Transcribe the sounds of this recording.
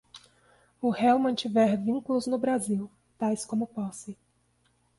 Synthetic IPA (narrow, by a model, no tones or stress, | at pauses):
ʊhɛwmɐ̃t͡ʃivɛɾvĩŋkulʊznʊbɾaziw | t̪ajskõmʊpɔse